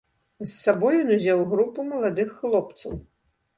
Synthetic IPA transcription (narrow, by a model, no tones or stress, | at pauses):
zːabɔjɔnuzʲawɣɾupumɐlˠad̪ɨxːlˠɔp̚t̪sɐw